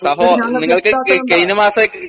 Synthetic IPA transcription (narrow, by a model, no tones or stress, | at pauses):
sɐɦoːniŋːɐɭkɨkejnɐmaːsɐ